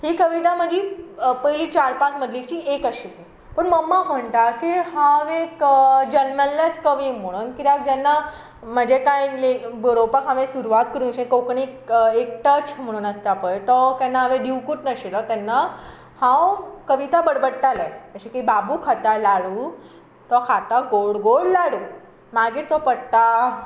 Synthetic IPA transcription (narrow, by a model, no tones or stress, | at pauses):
ɦikəʋit̪̬aməd͡ʑipəjlit͡ɕaɾpakməd̪ʱlit͡ɕiːekəɕi | pəɳməmːam̤əɳt̪akiɦãʋekd͡ʑənmənlet͡skəʋim̤əɽ̃uːnkit̪akd͡ʑɛnːa | məd͡ʑekãĩlebəɽopəkɦaʋẽsuɾuʋat̪̚kəɾũnɕẽkowkɳikek̚ʈəɾt͡ɕm̤əɽ̃ũːnəst̪apəjt̪ɔk̪ɛ̃nːaɦəʋẽɖiwkuʈnəɕelɔt̪ɛnːa | hãwkəʋit̪abəɽbəɽʈaleəɕekibabukʰat̪alaɽu | t̪ɔkʰat̪aɡoɽɡoɽlaɽuː | maɡiːɾt̪ɔpəɽt̪a